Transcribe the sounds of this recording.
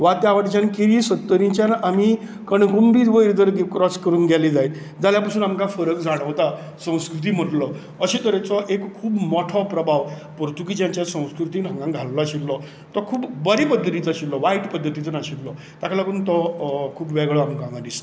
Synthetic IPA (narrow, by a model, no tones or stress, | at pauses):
ʋat̪jaʋaʈt͡ɕankiɾisət̪ːəɾĩɲt͡ɕjanʔami | kəɳɡumbiʋəiɾd̪əɾɡikɾɔskəɾuːnɡɛlid͡zajt̪ | d͡zaljapasuːnamkãfəɾəkd͡zaɽ̃əʋt̪a | sə̃w̃skɾut̪̬iːm̤əʈlɔ | əɕet̪əɾet͡sɔʔekʰːuːbmɔʈʰɔpɾəbʱaʋ | pɔɾt̪uk̬id͡ʑjãɲt͡ɕjasə̃w̃skɾut̪iːnɦə̃ŋɡãŋɡʱalːɔaɕiɾlɔ | t̪ɔkʰuːbbəɾipəd̪ʱːət̪it͡saɕillɔʋajʈpəd̪ʱːət̪it͡sənaɕiʈlɔ | t̪akʰalakuːnt̪ɔkʰuːpʋɛɡɭɔamkãŋɡãd̪ist̪